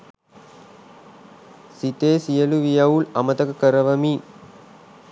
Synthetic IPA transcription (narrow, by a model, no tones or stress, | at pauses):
sit̪eːsijɐluʋijɐulɐmɐt̪ɐkɐkəɾɐʋɐmi